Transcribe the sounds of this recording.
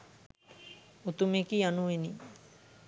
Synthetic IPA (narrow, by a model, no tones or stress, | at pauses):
ut̪umekianueni